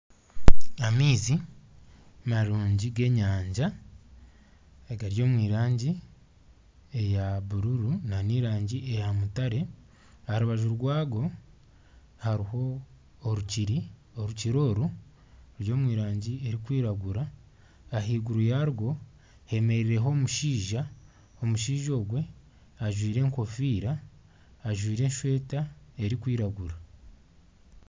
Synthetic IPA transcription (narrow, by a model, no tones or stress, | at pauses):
amiːzi | maɾuːɲɟiɡe̞ɲaːɲɟa | eɡaɾjo̞ːmwiːɾaːɲɟi | e̞jaβuɾuɾunaniːɾaːɲɟiejamutaɾe̞ | haɾuβaʒuɾɡwaːɡo̞ | haɾiho̞ː | ɾuciɾioɾuciɾo̞ːɾu | ɾjo̞ːmwiːɾaːɲɟie̞ɾikwiːɾaɡuɾaː | ɦiːɡuɾujaɾɡo̞ | he̞me̞ɾiɾe̞ɦo̞ːmuʃiːʒa | omuʃiːʒo̞ːɡwe̞ | aʒwiːɾe̞ːŋko̞fiːɾaː | ʒwiːɾe̞ːnʃwe̞ːtae̞ɾikwiːɾaɡuɾa